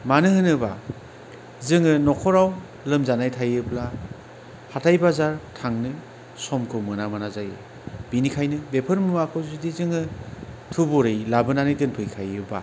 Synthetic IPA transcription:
manɯɦɯnɯba | zɯŋɯnɔkʰɔɾaw | lɯmzanajtʰajɯbla | hatʰajbazaɾtʰaŋnɯ | sɔmkʰɯmɯnamanazajḛ | b̥inikʰajnɯbepʰɯɾmɯmakʰɯwzidizɯŋɯtʰubuɾɯjlabɯnanɯjɡɯnpʰɯjkʰajɯba̰

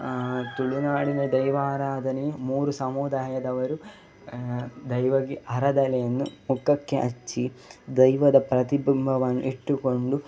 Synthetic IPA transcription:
t̪uɭunaːɽinɐd̪ɐjʋaːɾaːd̪ʱɐnijmuːɾusɐmuːd̪aːjɐd̪ɐʋɐɾu | d̪ɐjʋɐɡiʔɐɾɐd̪ɐlɛjɐnːumukɐkːeʔɐ̰t͡ʃːid̪ɐjʋɐd̪ɐpɾɐt̪ibʱimbʱɐʋɐnːṵʔiʈːuko̞ɳɖu

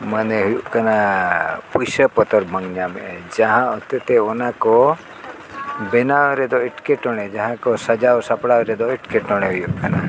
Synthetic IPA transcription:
məneɦujukəna | pusəpɔt̪əɾbʱə̃ŋɡnjamed͡ʒəɦãɔt̪et̪eonako | benaʋɾed̪oɪʈkeʈɔɽ̃ed͡ʒəɦãkosəd͡ʒaosəpɽaʋɾed̪oiʈkeʈɔɽ̃eɦujukəna

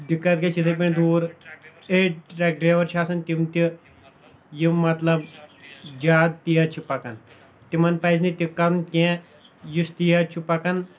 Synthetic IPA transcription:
d̪ikːat̪̚kɐt͡ʃit̪ʰɐp̬eɳd̪uːɾeʈ̚ɾɛk̚ɖɾeʋɐɾʃaːsɐnt̪imt̪i | jimːɐt̪lɐb | d͡ʒaːd̪̚t̪ijɐt͡ʃʰipɐkɐn | t̪imɐnpɐjznit̪ʲikɐɾunk̪ʲɛ̃ | just̪ijɐt͡ʃʰupɐkɐn

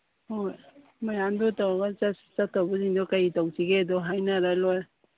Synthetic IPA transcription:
hoj | majamdɔtawaɡat͡ʃasi̥t͡ʃatʰawbuziŋdɔkajitawsiɡedɔɦajnaɾalɔj

